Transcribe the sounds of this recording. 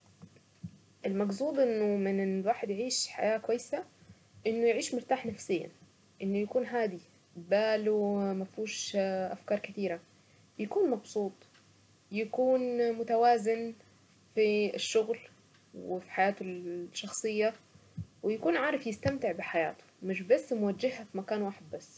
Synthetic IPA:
ʔɪlmɑɡsˤuːd̪ˤʔɪnːʊmɪnwaːħɪd̪jɪʕiːʃħa̰jaːkwajːɪsa | ʔɪnːʊjɪʕiːʃmʊɾt̪aːħnafsɪjːa̰ | ʔɪnːʊjakuːnɦaːd̪i | baːlumafuːʃʔa̰fkɑːɾˤkɪt̪iːɾa | jakuːnmɑbsˤuːt̪ˤ | jakuːnmʊt̪awaːzɪn | fiʃːʊɣl | wɪfi̥ħajaːt̪ʊʃːɑxsˤɨjːa | wɪjakuːnʕɑːɾˤɑfjɪst̪amt̪ɪʕbɪħaja̰ːt̪ʊ̥mɪʃbasːmʊwad͡ʒːɪhafimakaːnwaːħɪd̪̚basː

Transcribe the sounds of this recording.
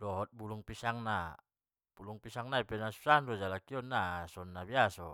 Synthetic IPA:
dɔɦɔt̪̚buluŋpisaŋna | b̥uluŋpisaŋnaipɛnasu̥sanrɔd͡ʒalakiɔnːasɔnːabiasɔ

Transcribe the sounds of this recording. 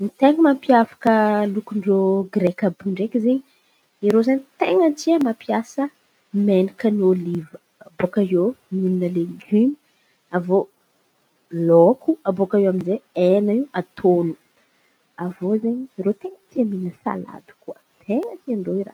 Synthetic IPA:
nit̪eŋəmampiafḁkəlukuɳɖ͡ʐoɡɾekabuɳɖ͡ʐekizeɲi | iɾozeɲit̪eŋəntiəmampiasə | menikəniolivəːbokaomuninəleɡymi̥ | avo | lokuabokaewaminzeenaiwat̪ʰonu̥ | avozeɲiɾet̪eŋət̪iaminəsa̰la̰d̪u̥kuə | t̪ʰeŋət̪iaɳɖ͡ʐoiɾa̰

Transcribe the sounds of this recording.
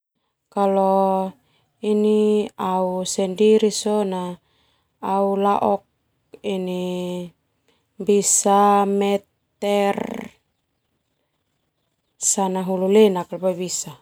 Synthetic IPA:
kalɔ | iniausɛndiɾisonaː | ulaʔɔk̚ | ini | bisamɛt̪ | ɛr | sanaɦululɛnaklbajbisa

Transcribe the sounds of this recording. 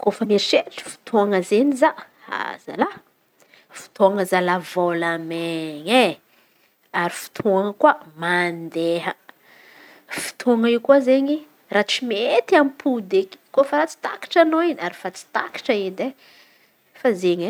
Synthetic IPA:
kofameɾiʃeʈ͡ʂə̥fu̥t̪ʰuaŋəzeniza | a̰z̥a̰la | fu̥t̪ʰoaŋəzalavolameɲe | aɾifu̥t̪ʰuoaŋəkuamand̪eɦə | fi̥t̪ʰuaŋaiwkuazeɲi | rat͡simet̪amipʰud̪eki̥kofaɾat͡si̥t̪a̰ki̥ʈ͡ʂanoinaɾifat͡si̥t̪a̰ki̥ʈ͡ʂəed̪e | fazeɲe

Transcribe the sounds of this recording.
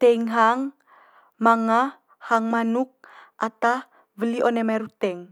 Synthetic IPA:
t̪ɛiŋɦaŋ | maŋa | haŋmanuk̚ʔat̪a | vəliʔonemaɾut̪ɛŋ

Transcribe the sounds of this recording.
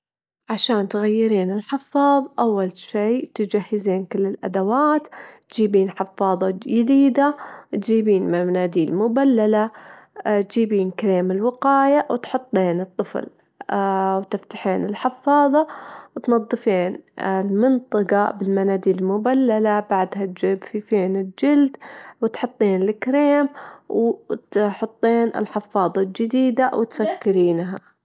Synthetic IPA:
ʕaʃaːnt̪ɣajːɪɾiːnɪlħɪfːɑːðˤʔawːalʃiːt̪ɪd͡ʒahːɪziːnkɪlːɪlʔa̰d̪awaːt̪t̪d͡ʒiːbiːnħɪfːɑːðˤɑd͡ʒɪd̪iːd̪awt̪d͡ʒiːbiːnmanaːd̪iːlmʊbalːala | t̪d͡ʒiːbiːnkaɾeːmɪlwɪqɑːjawt̪ħʊt̪ˤːeːnɨt̪ˤːɨfl | wt̪ɪft̪ḁħeːnɪlħɪfːɑːðˤɑwt̪nɑðˤːɨfeːnlmɪnt̪ˤɑqɑbɪlmanaːd̪iːlmʊbalːalabaʕd̪hat̪̚d͡ʒɪbfifeːnɪld͡ʒɪld̪wɪt̪ħʊt̪ˤːiːnlɪkɾeːmwt̪ħʊt̪ˤːeːnɪ̰lħɪfːɑːðˤɑld͡ʒɪd̪iːd̪awɪt̪sakːɪɾiːnɦa

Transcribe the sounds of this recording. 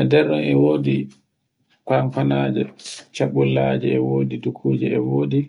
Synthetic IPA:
ɛdɛɾɗɔnɛwoːdi | kanfanaːd͡ʒɛt͡ʃaɓulːad͡ʒɛɛwoːdidukʰuːd͡ʒɛɛwoːdi

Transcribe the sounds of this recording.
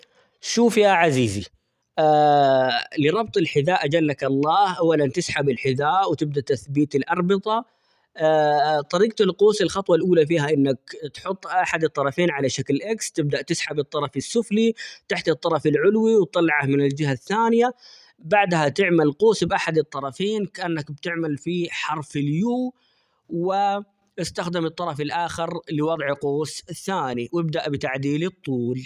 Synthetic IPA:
ʃuːfjaʕaziːzḭ | ʔa | lɪɾˤɑbt̪ˤɪlħɪðaːʔad͡ʒalːakʔɑlˤːɑːhʔawːalant̪ɪsħabɪlħɪðaːʔwt̪ɪb̚d̪aʔt̪ːaθbiːt̪ɪlʔɑɾˤbɨt̪ˤɑ | t̪ˤɑɾiːq̚t̪ɪlqoːsɪlxɑt̪ˤwɑlʔuːlafiːɦaʔɪnːakt̪ħʊt̪ˤːʔaħad̪ɨt̪ˤːɑɾˤɑfeːnʕalaʃaklʔakst̪ɪb̚d̪aʔt̪ɪsħabɨt̪ˤːɑɾˤɑfɪsːʊflit̪aħt̪ɨt̪ˤːɑɾˤɑfɪlʕʊlwiwt̪ˤːɑlːɑʕamɪnɪld͡ʒɪɦaθːaːnɪja | baʕd̪hat̪ɪʕmalquːsbʔaħad̪ɨt̪ˤːɑɾˤɑfeːnkaʔanːakb̚t̪ɪʕmalfiħɑɾˤfɪljuː | wɪ | ʔɪst̪axd̪ɪmɨt̪ˤːɑɾˤɑfɪlʔaːxɪɾlɪwɑd̪ˤʕqoːsɪθːaːniwɪb̚d̪aʔbɪt̪aʕd̪iːlɨt̪ˤːuːl

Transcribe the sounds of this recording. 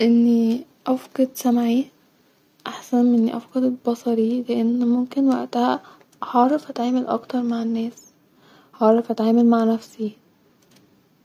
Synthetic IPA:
ʔenːi | ʔɑfqɑd̪sæmʕi | ʔaħsænʔenːiʔɑ̰fqɑd̪bɑsˤɑɾileʔenːmomkenwæ̰ʔt̪æhæ | hɑːɾˤɑfʔæt̪ʕaːmælʔɑ̰kt̪ɑɾˤmaʕenːæːs | hɑːɾˤɑfʔæt̪ʕaːmælmaʕnæfsi

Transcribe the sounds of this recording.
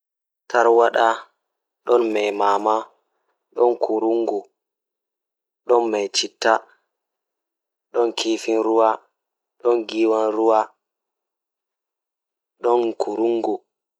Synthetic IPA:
taɾwaɗa | ɗɔnmɛjmaːma | ɗɔnkʰuɾuŋɡu | ɗɔnmajt͡ʃitːa | ɗɔnkʰiːfinɾuwa | ɗɔnɡiːwanɾuwa | ɗɔnkʰuɾuŋɡu

